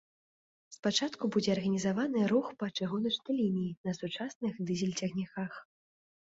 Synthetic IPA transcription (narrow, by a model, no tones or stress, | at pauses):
spat͡ʂat̪kubud͡zʲɛɐrɣɐnʲizavanɨɾuxpɐt͡ʂɨɣunɐt͡ʂnɨjlʲinʲijinɐsut͡ʂasnɨxd̪ɨzʲɛlʲt͡sʲaɣnʲakax